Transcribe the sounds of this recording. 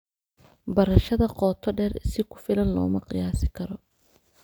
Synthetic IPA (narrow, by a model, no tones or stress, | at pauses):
bɐɾɐʃɐðɐqɔːt̪ʰɔɖɛːrsɪkʰʊ̥fɪlɐnlɔːmɐqɪjaːsɪkʰɐɾɔ